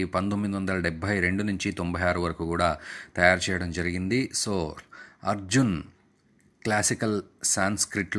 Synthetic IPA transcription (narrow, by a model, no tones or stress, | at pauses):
pɐnt̪omːid̪iʋɐnd̪ɐlɐɖɛbʱːɐjɾe̞ɳɖunuɲt͡ʃit̪ombɐjaːɾuʋɐɾɐkuːkuːɽaːt̪ɐjaːɾut͡ʃɛːjɐɽɐmd͡ʒɐɾiɡind̪isoːɐɾd͡ʒun | klaːsikɐlsaːnskɾiʈl